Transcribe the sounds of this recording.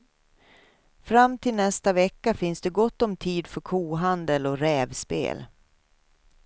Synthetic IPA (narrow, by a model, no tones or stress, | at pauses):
fɾamːt̪ʰɪlnɛst̪avɛkːafɪnsd̪ɛɡɔt̪ːɔmt̪ʰiːd̪fœɾkʰuːɦand̪əlɔɾɛːvspḛːl